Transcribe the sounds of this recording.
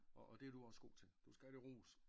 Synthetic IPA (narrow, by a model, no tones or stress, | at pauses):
ʔɒʔɒd̥e̝æd̥uɒ̽sɡ̥o̝̰ːt͡sʰe̝ld̥usɡ̥æd̥iʁṵːs